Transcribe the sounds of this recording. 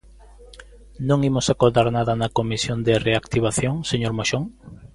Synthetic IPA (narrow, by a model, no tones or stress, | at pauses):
nõŋimʊsakoðaɾnaðɐnɐkomisjond̪ɪreakt̪iβaθjoŋseɲoɾmoʃoŋ